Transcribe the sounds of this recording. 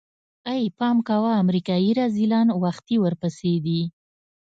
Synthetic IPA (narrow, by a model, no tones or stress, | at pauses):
ajpɑmkawaːmɾikɑjiɾazilɑnwaxt̪iwəɾpəsed̪i